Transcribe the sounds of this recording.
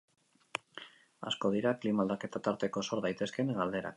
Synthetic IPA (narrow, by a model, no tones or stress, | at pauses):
a̰sko̞ð̞iɾaklimald̪ake̞t̪at̪aɾt̪e̞ko̞so̞ɾðajt̪e̞ske̞nɡald̪e̞ɾa̰k